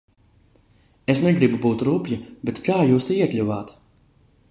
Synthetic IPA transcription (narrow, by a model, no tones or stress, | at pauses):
esnɛɡɾibubuːt̪ɾuːpʲjibet̪kaːjuːst̪ɛiɛt̪lʲuvaːt̪